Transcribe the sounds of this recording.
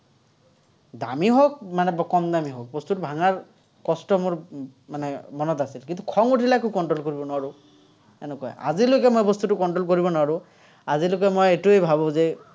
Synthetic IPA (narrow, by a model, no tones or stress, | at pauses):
d̪a̰miɦok̚manɛbɔkɔmd̪amiɦok̚bɔst̪utubʱaŋaɹ | kɔstɔmoɹmanɛmɔnɔt̪asilkint̪ukʰɔŋutʰilakukɔnʈɹolkoɹibɔnɔaɹu | ɛnokɔj̰a̰zilokɛmojbɔst̪utukɔnʈɹolkoɹibɔnɔaɹu | azilokɛmojetuejbʱabɔ̃ze